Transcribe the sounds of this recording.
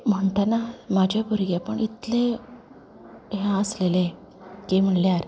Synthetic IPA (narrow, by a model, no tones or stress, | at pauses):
m̤əɳt̪anamad͡ʑʱjabəɾɡepəɳit̪le | ɦãəslele | kem̤əɳljaɾ